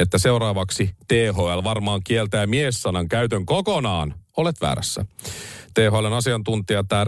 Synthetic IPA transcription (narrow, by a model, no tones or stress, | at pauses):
et̪ːæseurɑːʋɑksit̪eːɦoælʋɑrmɑːŋkielt̪æːmiesːɑnɑŋkæyt̪øŋkokonɑːnolet̪ʋæ̰ːɾæ̰sːæ̰t̪eːɦoælonɑsiɑnt̪unt̪iɑt̪æː